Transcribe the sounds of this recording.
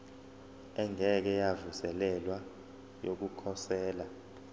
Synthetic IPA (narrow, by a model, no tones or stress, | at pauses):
ɛŋɛk̬ɛjavusɛlɛlwa | jok̬ukʰɔsɛːla